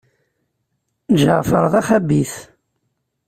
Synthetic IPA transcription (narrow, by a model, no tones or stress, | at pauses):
ʒəʁfəɾˤðˤæχæbiθ